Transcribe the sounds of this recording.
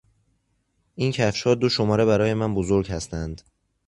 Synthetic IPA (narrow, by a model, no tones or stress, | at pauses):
ʔincʰæfʃhɒːd̪oʃo̞mɒːɾe̞bæɾɒːje̞mænbozoɾɟhæst̪ʰænd̪̥